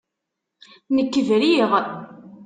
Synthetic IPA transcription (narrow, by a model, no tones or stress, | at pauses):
nəkːəvɾiʁ